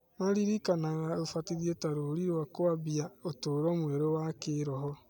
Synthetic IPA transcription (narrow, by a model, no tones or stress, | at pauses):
maɾiɾikanaɣaofatiɾjetaɾoɾiɾwakoabjaotoɾɔmweɾowakeɾɔɦɔ